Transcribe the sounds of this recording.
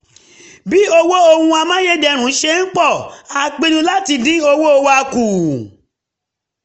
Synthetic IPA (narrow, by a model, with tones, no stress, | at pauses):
bi˦o˧wo˦o˧hũ˧a˧mã˦je˦d͡ʒɛ˧ɾ̃ũ˨˦ʃe˦n̩˦k͡pɔ˦˨a˨k͡pi˧nũ˧˦la˦ti˧dĩ˦o˧wo˦o˧wo˦a˧ku˨